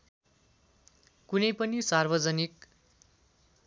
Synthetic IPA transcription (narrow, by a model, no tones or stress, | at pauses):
kunʌjpʌnisarbʌd͡zʌnik